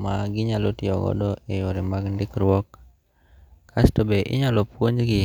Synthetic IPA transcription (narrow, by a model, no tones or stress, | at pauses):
maɡɪɲalotɪɔɡɔ̰dɔejoɾɪmaɡndɪkɾwɔk | astobeʔɪ̰ɲalopwoɲɡɪ